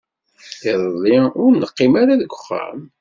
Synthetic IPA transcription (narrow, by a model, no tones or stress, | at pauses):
θiɾˤðˤiʊɾnːəqːimaɾaðɡʷʊχːæ̰m